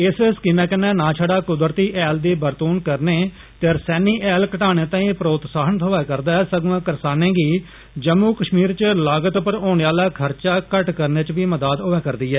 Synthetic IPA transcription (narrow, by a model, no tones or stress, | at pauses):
ɪsskɪmɛ̃ːkənɛ̃ːnãːt͡ʃʰəɖaːkʊd̪əɾt̪iːʔɛːld̪iːbəɾt̪uːnkəɾneː | t̪eɾsɛːniːʔɛːlkəʈaːɽ̃eːt̪ãːĩːpəɾoːt̪saːɦənt̪ʰoːɛːkəɾd̪aːɛsəɡãːkəɾsaːnẽːɡiː | d͡ʒəmːuːkəʃmiːɾt͡ʃlaːɡət̪pəɾoːɳ̃eːaːlaːkʰəɾt͡ʃaːkəʈkəɾneːt͡ʃʋiːməd̪aːd̪ʊʋɛːkəɾd̪iːɛː